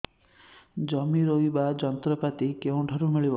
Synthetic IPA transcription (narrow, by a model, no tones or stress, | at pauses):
d͡ʒɔmiɾoibad͡ʒɔnt̪ɾɔpat̪ikeũɖʱɔɾumiɭibɔ